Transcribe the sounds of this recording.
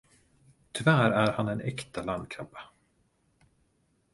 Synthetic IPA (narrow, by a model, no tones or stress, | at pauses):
t̪ʰʏvæːɾæɾhanɛnɛkt̪aland̪̚kʰɾampːḁ